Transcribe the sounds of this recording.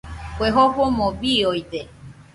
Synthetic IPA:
kʷeɦopomõbiojt̪e

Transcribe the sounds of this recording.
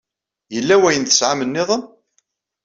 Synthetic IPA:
jəlːæwæjənθə̥sʕamənːɪðˤən

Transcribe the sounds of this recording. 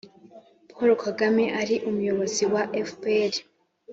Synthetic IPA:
pʰoɾokʰaɡameʔaɾiʔumujo̞βo̞ziwaʔefpeɾi

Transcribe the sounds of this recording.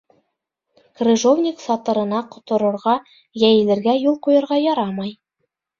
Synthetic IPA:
krʲɘ̆ʒovnʲɪksɑt̪ɤ̆ɾɤ̆nɑqŏt̪ŏɾɤ̆ɾʁɑ | jæjɘ̆lɘ̆ɾɡæjulˠqujɤ̆ɾʁɑjɒɾɑmɑj

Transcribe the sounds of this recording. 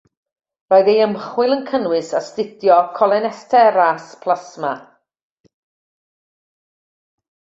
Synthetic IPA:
rɔːɨðejəmχwɪlˠənkʰənwɪsastɪdjɔkʰɔlˠɛnɛstʰɛɾaspʰl̥ˠasma̰

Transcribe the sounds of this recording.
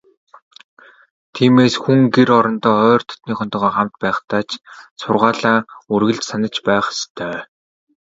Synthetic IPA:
t̪ʰiːmeːsxuŋɡeɾɔɾɞ̆nt̪ɔːœːr̥t̪ʰɔ̥t̪niːχʊnt̪ɞ̆ʁɔːχam̥t̪pæːχt̪aːt͡ɕsʊrʁaːɮaːurɣɘ̆ɮt͡ɕsanə̆t͡ɕpæːχst̪ʰœː

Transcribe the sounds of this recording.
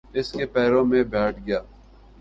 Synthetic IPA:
ɪskepɛːɾõmẽbɛːʈʰɡɪjaː

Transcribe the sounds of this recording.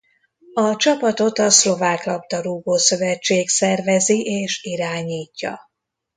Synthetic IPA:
ɒt͡ʃɒpɒt̪o̞t̪ɒslo̞vaːklɒpt̪ɒɾuːboːsø̞vɛt͡ʃːeːksɛrvɛziʔeːʃiɾaːɲiːcːɒ̰

